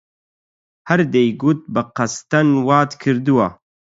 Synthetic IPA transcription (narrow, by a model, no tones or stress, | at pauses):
hɐɾd̪ejɡut̪̚bɨqɐst̪ɐnwaːt̪kʰɨɾd̪uwa